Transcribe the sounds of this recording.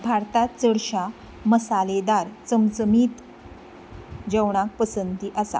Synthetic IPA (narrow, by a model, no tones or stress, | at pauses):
bʱaɾt̪at͡səɽɕa | məsaled̪aɾt͡səmt͡səmiːt̪ | d͡ʑəwɳ̃ak̚pəsənt̪iːʔasa̰